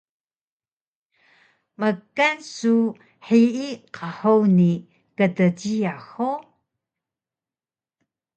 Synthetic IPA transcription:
məkansu | ħiiqʰaħowni | kədəɟiaxo

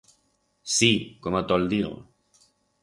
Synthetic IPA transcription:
sikomot̪ɔld̪iɣo̰

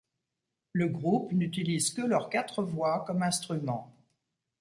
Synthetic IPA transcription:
ləɡʁupnyt̪ilizkəlœʁkat̪χəvwakɔmɛ̃st̪χymɑ̃

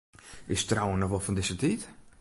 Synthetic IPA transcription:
ɪstrawənːɔxʋɔlˠfɔndɪsətit

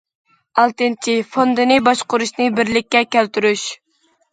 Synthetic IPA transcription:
ɑlˠt̪ɨnt͡ʃʰifond̪ɨnɨbɑʃqʊɾuʃnɨbɪɾlɪk̚ʲːɛkʲælt̪yɾyʃ

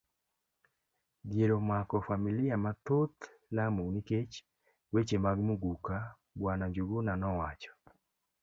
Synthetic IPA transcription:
djeɾomakɔfamiliamat̪ot̪ | lamuniket͡ʃ | wet͡ʃemaɡmuɡuka | bwanad͡ʒuɡunanɔwat͡ʃɔ̥

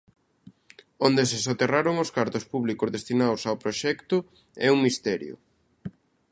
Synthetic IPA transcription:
ond̪esesot̪eraɾoŋoskaɾt̪ʊspuβlikʊzðest̪inawsawpɾoʃɛkt̪ʊ | ɛuŋmist̪ɛɾjʊ̰

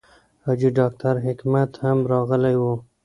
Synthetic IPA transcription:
hɑd͡ʒiɖɑk̚t̪aɾɦɪkmat̪hamɾɑɣəlajwo

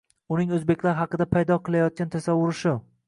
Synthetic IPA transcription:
ʊnɪŋɵzbe̞kʲlaɾɦɑqɨd̪apʰajd̪ɒqʰɨlˠajɒt̪̚kʲant̪ʰasavːʊɾɪʃɪ

